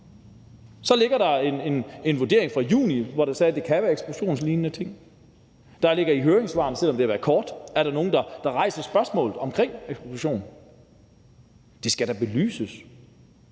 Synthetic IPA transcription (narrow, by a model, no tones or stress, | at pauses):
sɒ̽le̝ɡ̥ɐɾ̥ɑ̈e̝ne̝ne̝nʋo̝ɐde̝̰ɐ̰e̝ŋfʁɑ̈jṵːniʋɒɾ̥ɑsɛːd̥e̝kʰæʋæːɐeɡ̥sb̥loɕo̝̰ːnsliːnːət͡sʰe̝ŋ̰ | d̥ɑ̈le̝ɡ̥ɐiɦøːɐeŋsʋɑ̰̈ːn̩sel̰ɒ̽md̥e̝æʋæːɐkʰɒːd̥æɐɾ̥ɑ̈no̝ːn̩d̥ɑ̈d̥ɑ̈ʁɑ̈ɪ̰sɐsb̥ɶɐsmɔ̰̽ːlð̩ˠɒ̽mkʰʁeŋ̰eɡsbloɕo̝̰ːn | d̥e̝sɡ̥æɾ̥ɑ̈b̥e̝ly̰ːsəs